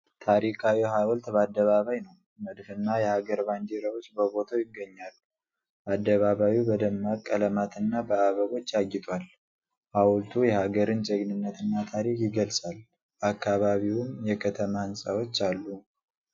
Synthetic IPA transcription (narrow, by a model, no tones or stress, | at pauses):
t̪ʰaɾikʰawiɦawɔlt̪bəad̪ːəβaβajnəw | məd̪fɨnːajɛhaɡəɾband͡ʒeɾawot͡ʃːbəbo̞t̪ʰawjɪɡːəɲːalː | ʔad̪ːəβaβawibəd̪əmːakʼːələmat̪ʰɨnːabəaβəɡo̞t͡ʃːaɡɪt̪ʼwal | hawlt̪ʰujɛhaɡəɾɨnt͡ʃʼəɡnɨnːət̪ʰɨnːat̪ʰaɾikjɪɡəlsʼal | ʔakːaβaβiwʊmjɛkʰət̪ʰəmahɨnsʼawo̞t͡ʃːalːu